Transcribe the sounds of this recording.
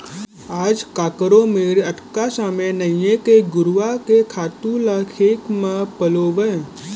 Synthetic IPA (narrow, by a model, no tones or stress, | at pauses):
aːd͡ʒkaːkəɾõmeːɾɐʈkasaːmenəɪjekeɡʊɾʋakekʰaːt̪ũlaːkʰeːkmẽpəloʋə